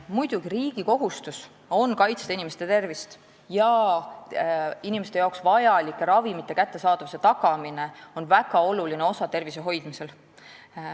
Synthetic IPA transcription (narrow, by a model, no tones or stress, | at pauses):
mujd̪̥uɡ̥iɾiːɡ̥iko̞ɦust̪us | o̞nkɑjt̪se̥t̪inimest̪et̪e̞rvist̪ | jɑ | inimest̪ejɑoksvɑjɑlikːˑeɾɑvimit̪ːˑe̞kæt̪ːe̞sɑːd̪̥ɑvuse̞t̪ɑɡɑmine̞o̞nvæɡ̥ɑo̞luline̞o̞sɑt̪e̞rviseɦo̞jd̪mise̞l